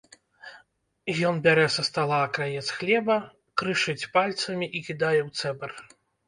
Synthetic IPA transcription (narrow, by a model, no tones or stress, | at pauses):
jɔnbʲaɾɛsɐst̪alˠaɐkɾajɛt̪sxlʲɛbɐ | kɾɨʂɨt͡sʲpalʲt̪sɐmʲiʔikʲid̪ajɛwt̪sɛbɐr